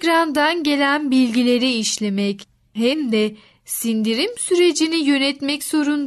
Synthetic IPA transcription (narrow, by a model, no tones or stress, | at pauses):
ɾand̪anɟe̞lʲænbilʲɟilʲe̞ɾiiʃlʲe̞mɛc | hɛmd̪ɛ | sind̪iɾimsyɾe̞d͡ʒinijø̞nɛt̪mɛcz̥o̞ɾun